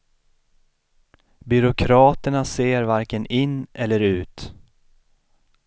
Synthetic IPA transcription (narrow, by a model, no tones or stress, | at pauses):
bʏɾʊkʰɾɑːt̪əɳaseːɾvaɾkənɪnːʔɛlːəɾʉ̟ːt̪